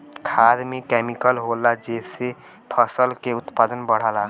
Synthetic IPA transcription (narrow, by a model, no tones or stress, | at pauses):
kʰad̪mẽkɛmikəlɦolad͡ʒese | pʰəsəlkeʊt̪pad̪ənbəɽ̤əla